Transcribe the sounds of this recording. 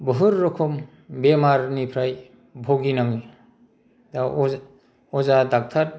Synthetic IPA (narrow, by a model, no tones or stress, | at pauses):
bɯɦɯɾːɔkʰɔm | bemaɾnipʰɾaj | bʱoɡinaŋi | daɔ | ɔzadak̚tʰat̚